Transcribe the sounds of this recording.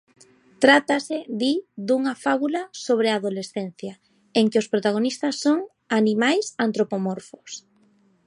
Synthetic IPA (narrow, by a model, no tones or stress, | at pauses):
t̪ɾat̪asɪðid̪uŋɐfaβulɐsoβɾeaːðolesθen̟θja | eŋkɪospɾot̪aɣ̞onist̪ɐsːoŋ | animajsant̪ɾopomoɾfos